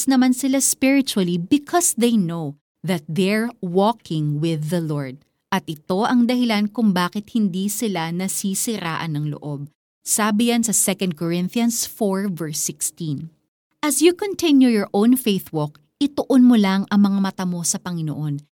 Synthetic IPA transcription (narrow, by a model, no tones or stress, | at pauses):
snɐmansɪlaspɪɹɪt͡ʃuɐlibɪkʰɔsðejnow | ðɐt̪̚ðɛɹwɔkʰɪ̃ŋwɪðɐloɹd̪̚ | ʔɐt̪̚ʔɪt̪o̞ʔɐŋd̪ɐhɪlankʊŋbaːkɪt̪̚hɪnd̪isɪlanɐsisɪɾa̰ːʔɐnːɐŋlo̰ʔob̚ | saːbɪjɐnsɐsɛkɐ̃nd̪̚koɹɪ̃nθjɐnsfoɹvɛɹsːɪkst̪ĩn | ʔɐsjukont̪ɪ̃njujɔɹʔõwnfejθwɔk̚ | ʔɪt̪oʔonmolaŋɐŋmɐŋamɐt̪amo̞sɐpɐŋɪno̰ʔo̞n